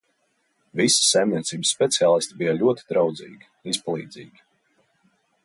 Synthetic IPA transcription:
visə̥sːɛjmnʲiɛt̪siːbəsːpʲɛt̪siaːlˠist̪ʲibijalʲuɔt̪i̥d̪ɾawd̪zḭːɡʲi̥ispalˠḭːd̪zḭːɡ̥ʲi̥

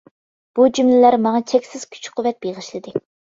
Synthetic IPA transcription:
b̥ud͡ʒymlɪlæɾmɑŋɑt͡ʃʰɛkʲsɪz̥kʲʰy̥t͡ʃqʰʊwɛt̪̚b̥eʁəʃlˠɨd̪ɨ

